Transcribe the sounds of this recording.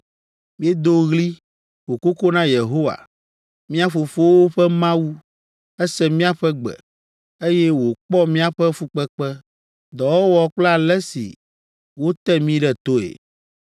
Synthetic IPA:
mĩ˦e˦d̪o˦ɣli˦ | wo˨ko˦ko˦nã˦je˨ɦo˦wa̰˨ | mĩ˦a˦fo˨fo˦wo˦ɸɛ˦mã˦wu˦ | ɛ˦sɛ˦mĩ˦a˨ɸɛ˦ɡ͡bɛ̰˨ | e˦jɛ˦wo˨k͡pɔ˦mĩ˦a˨ɸɛ˦fu˦k͡pɛ˦k͡pɛ˦ | d̪ɔ˨wɔ˦wɔ˨k͡plɛ˦a˨lɛ˦sḭ˨ | wo˦t̪ɛ˦mĩ˦ɖɛ˦t̪o˦ḛ˨

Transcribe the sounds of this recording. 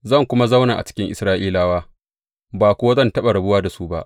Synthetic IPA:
zɐ˦˨ŋkʷʊ˦ma˦za˦wnaː˨ʔa̰˨t͡ʃɪ̥˦kʲɪ˦ŋʔɪ˨sɾaː˦ʔiː˦laː˦waː˦ | baː˨kʷo˦wa˦zɐ˦˨ntɐ˦ɓa˨ɾɐ˨bʊ˦waː˦da˨su˦ba̰˦˨ʔ

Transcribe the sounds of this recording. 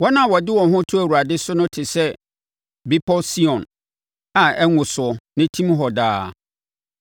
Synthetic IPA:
wɔ˦nã˨wɔ˨dɪ˦wɔ̃˨ɦʊ̃˦tʰʊ˦æ˨wu˨ɾa˨dɪ˦sʊ˦nʊ̃˦tʰɪ˨sɛ˦ | bi˦pʰɔ˦si˦ɔ̃˨n | a˨ɛ˦ŋʊ̃˨sʊ˨ɔ˨nɪ̃˦tʰĩ˦mɦɔ˨daː˦

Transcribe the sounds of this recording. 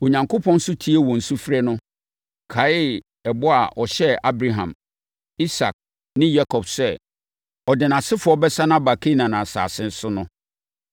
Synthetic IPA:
o˨ɲã˨ŋkʰo˦pʰɔ̃˦n̩˦sʊ˦tʰi˦e˦wɔ̃˨n̩˨su˦fi˦ɾɛ˦nʊ̃˦ | kʰa˨˦ɪ˦˨l | ɛ˨bɔ˦a̰˨ʔɔ˨ɕɛ˦a˦bɾa˨ɦã̰˨m | i˦sa̰˨k̚ | nɪ̃˦ja˦kʰɔ˨bsɛ˦˨ | ɔ˨dɪ˨nã˨sɪ˦fʊ˨˦ɔ˦bɛ˦sa˦nã˦ba˨kʰi˦nã˨nã˨sa̰ː˨sɪ̃˦n̩˦sʊ˦nʊ̃˦

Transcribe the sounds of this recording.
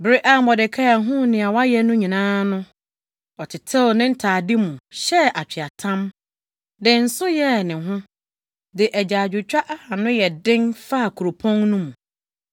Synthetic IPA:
bɾi˦ʔa˦˨mɔ˨dɪ˨kʰa˦a˨ɦʊ̃˦nɪ̃˨a˨wa˦jɛ˦nʊ̃˦ɲĩ˨nãː˦nʊ̃˦ | ɔ˨tʰɪ˨tʰɛ˦˨nɪ̃˦n̩˦tʰaː˨dɪ˦mũ˨ɕɛ˦ʔa˨t͡ɕᶣi˨a˨tʰã˦m | dɪ˨n̩˨˦sʊ˦jɛ˦nɪ̃˨ɦʊ̃˦ | dɪ˨ʔɛ˨d͡ʑa˨d͡ʑᶣʊ˨t͡ɕᶣa˦ʔa˦ha˨nʊ̃˦jɛ˨dɪ̃˦nfa˦˨kʰu˨ɾo˨pʰɔ̃˦nnũ˦mũ˨

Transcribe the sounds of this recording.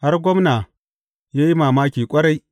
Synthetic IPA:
ha˦rɡʷɔ˦mna˨ | jaː˦ji˦maː˨maː˦kʲiː˨kʷʼɐ˦ɽa˦j

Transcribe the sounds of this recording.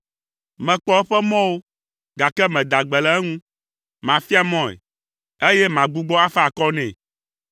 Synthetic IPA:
mɛ̃˨k͡pɔ˦ɛ˦ɸɛ˦mɔ̃˦wo˦ | ɡa˨kɛ˦mɛ̃˨d̪a˨ɡ͡bɛ˨lɛ˦ɛ˦ŋũ˦ | mã˨fi˦a˦mɔ̃˦˨ɛ̰˨ | e˦jɛ˦mã˨ɡ͡bu˦ɡ͡bɔ˦a˦fa˨kɔ˦nɛ̃˨

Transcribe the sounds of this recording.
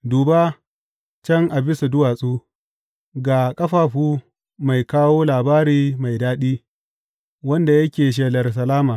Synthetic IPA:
duː˨ba˦ | t͡ʃɐ˦ŋʔa˨bɪ˦su˨dʊ˦waː˨sʼuː˦ | ɡaː˨kʼɐ˦ɸaː˨ɸuː˦ | ma˨jkaː˦woː˦laː˨baː˦ɾiː˦ma˨jdaː˦ɗiː˦ | wɐ˦nda˨jɐ˦kʲeː˨ʃ̬eː˨lɐ˨rs̬ɐ˨laː˦maː˨

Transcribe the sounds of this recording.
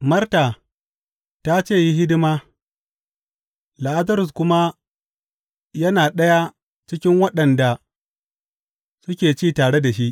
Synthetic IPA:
mɐ˦rta˨ | ta˦t͡ʃeː˦˨ji˦ɦɪ˦dɪ˦maː˦ | la˨ʔa˦zɐ˦ɾʊ˨s̬kʷʊ˦ma˦ | jɐ˦naː˨ɗɐ˦ja˦ | t͡ʃɪ˦kʲɪ˦ŋwɐ˦ɗɐ˨nda˨ | sʊ˦kʲeː˨t͡ʃiː˦˨taː˨ɽe˦da˨ʃi˦ʔ

